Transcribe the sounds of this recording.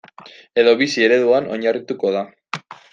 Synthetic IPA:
e̞ðo̞βisie̞ɾe̞ðuano̞ɲarit̪uko̞ða

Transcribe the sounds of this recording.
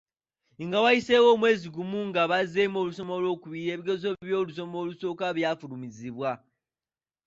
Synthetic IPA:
ŋɡawajise̞wo̞ːmwe̞ːziɡumuŋɡaβazeːmo̞ːluso̞mo̞lo̞ːkuβiɾe̞ːβiɡo̞zo̞βjo̞ːluso̞moːluso̞ːkaβjafulumiziβwa

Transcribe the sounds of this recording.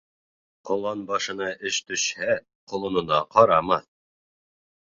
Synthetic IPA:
qŏlˠɑnbɑʃɤ̆nɑʔɘʃt̪ɵ̆ʃhæ | qŏlˠɤ̆nŏnɑqɑɾɑmɑθ

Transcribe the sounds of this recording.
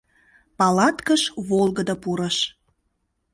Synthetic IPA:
pɑlɑt̪kəʃβolˠɣəd̪əpuɾəʃ

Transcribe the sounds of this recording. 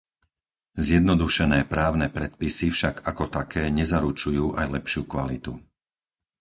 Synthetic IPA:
zɪjɛd̪nɔd̪uʃɛnɛːpɾaːʊnɛːpɾɛt̪̚pisifʃaɡakɔt̪akʰɛːɲɛzaɾut͡ʃujuːʔajlɛpʃɪuːkʋalit̪u

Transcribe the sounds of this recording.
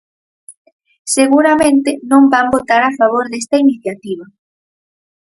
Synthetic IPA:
seɣuɾamẽnt̪ɪnõmbambot̪aɾafaβ̞oɾðest̪ainiθjat̪iβ̞ɐ

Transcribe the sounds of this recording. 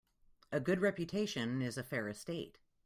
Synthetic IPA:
ɨɡʊd̚ɹɛpjɨtʰeɪʃɨ̃nɪzɨfɛɹɨsteɪt̚

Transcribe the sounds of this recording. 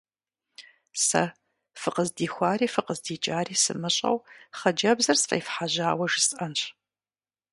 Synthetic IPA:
sɐ̰ | fɨqəzdiːxʷaːɾiːfɨqəzdiːt͡ʃʼaːɾiːsɨ̰mɨɕʼɐ̰wχɐd͡ʒɐbzɐrsfʼḛːfħaʑaːwɐʒɪsʔɐnɕ

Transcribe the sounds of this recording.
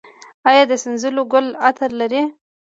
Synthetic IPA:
ɑjɑd̪əsɪnzəloɡʊlat̪ʰəɾlaɾi

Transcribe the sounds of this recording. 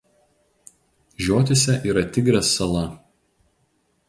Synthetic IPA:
ʒʲoːt̪ʲɪsʲɛʔiːɾɐt̪ʲɪɡɾʲɛsːɐlˠɐ

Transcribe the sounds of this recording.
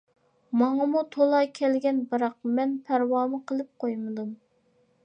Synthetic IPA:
mɑŋɑmut̪ʰolˠɑkʲʰɛlɡʲɛnbɨɾɑq̚mɛnpʰæɾwɑːmɨqʰəlˠɨp̚qʰojmɨd̪um

